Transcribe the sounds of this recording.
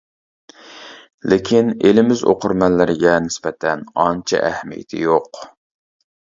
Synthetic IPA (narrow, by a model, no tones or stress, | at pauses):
lɪkʲʰinelɪmɪzo̰qʰʊɾmɛnlːɪɾɡʲɛnɪspɛt̪ʰɛnɑnt͡ʃʰɛ̰ʔæhmijɪ̰t̪ʰɪ̰joq